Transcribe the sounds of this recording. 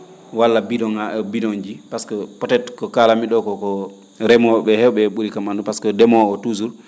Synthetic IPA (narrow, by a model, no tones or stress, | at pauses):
walːabidɔŋaʔɛbidɔɲd͡ʒipaskɔpɔtɛtkɔkaːlamiɗɔkɔkɔ | ɾɛmɔɓɛhɛwɓɛɓuɾikamandupaskɔdɛmɔɔtuzul